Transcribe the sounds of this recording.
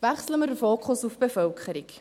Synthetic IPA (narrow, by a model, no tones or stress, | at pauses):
væχsləməɾdəfoːkʰχʊsufb̥efœlkχəɾik